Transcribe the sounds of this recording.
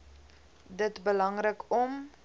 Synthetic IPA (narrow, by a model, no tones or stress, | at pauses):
dətbəlɐŋrəkɔm